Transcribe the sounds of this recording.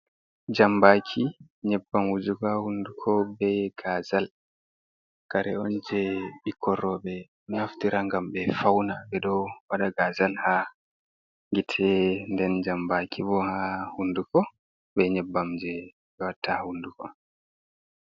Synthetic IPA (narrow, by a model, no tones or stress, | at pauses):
d͡ʒambakʰi | ɲɛbːamwud͡ʒuɡahundukʰɔbɛɡ̥azal | kaɾɛɔnd͡ʒɛɓikʰɔɾɔɓɛ | naftiɾaŋɡambɛfawnabɛɗɔwaɗaɡazalha | ŋɡitʰɛndɛnd͡ʒambakibɔhahundukɔ | bɛɲɛbːamd͡ʒɛ | ɓɛwatʰːahundukɔ